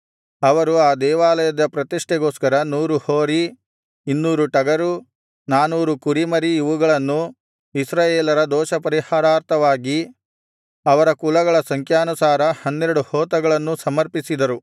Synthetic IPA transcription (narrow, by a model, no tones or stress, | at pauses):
ɐʋɐɾuaːd̪ɛːʋaːlɐjɐd̪ɐpɾɐt̪iʂʈɛɡoːskɐɾɐnuːɾuhoːɾi | inːuːɾuʈɐɡɐɾu | naːnuːɾukuɾimɐɾiːʋuɡɐɭɐnːu | isɾaːjeːlɐɾɐd̪ɔːʃɐpɐɾihaːɾaːɾt̪ʰɐʋaːɡi | ɐʋɐɾɐkulɐɡɐɭɐsɐŋkʰjaːnusaːɾɐhɐnːeɾɐɽuhɔːt̪ɐɡɐɭɐnːusɐmɐɾpisid̪ɐɾu